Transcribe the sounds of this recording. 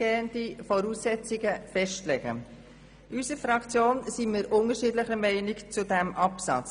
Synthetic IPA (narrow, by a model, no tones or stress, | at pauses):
eːəndifɔɾuːsːɛt͡siɡəfɛʃtlɛɡ̥ə̰ | ʔysəfɾɑkt͡sjoːnsimɪɾʔʊnəʃiːdlɪχəmɛɪnikt͡sudæmʔɑpsɑ̰t͡s